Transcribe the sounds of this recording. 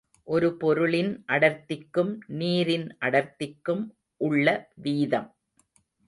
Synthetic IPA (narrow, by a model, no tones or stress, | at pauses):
ʔɔɾɯpɔɾɯɭɪnʔɐɽɐɾt̪ːɪkːɯmniːɾɪnʔɐɽɐɾt̪ːɪkːɯm | ʔʊɭːɐʋiːðɐm